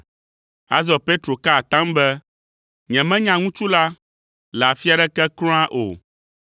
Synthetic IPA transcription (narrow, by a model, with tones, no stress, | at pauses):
a̰˦zɔ˨pe˦t̪ɾo˨ka˦˨t̪ã˦mbɛ˦ | ɲɛ̃˨mɛ̃˦ɲã˨ŋũ˦t͡ʃu˦la˦ | lɛ˨a˨fi˦a˨ɖɛ˦kɛ˦klɔ̃˦ã˦ʔo̰˨